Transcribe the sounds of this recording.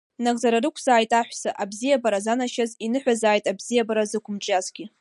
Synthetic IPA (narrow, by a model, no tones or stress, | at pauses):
naɡʼzaɾarɨkʷʰz̥aːjtʼaħʷᶣsaʔabzijabaɾazanaʃazinɨħʷᶣazaːjtʼabzijabaɾazɨkʷʰʊmʈ͡ʂʼazɡʲɪ